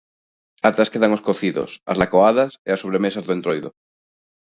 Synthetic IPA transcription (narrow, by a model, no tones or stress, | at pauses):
at̪ɾaskeðaŋoskoθiðo̰sa̰zlakoaðɐseasoβɾemesazðoʊẽnt̪ɾojðo̰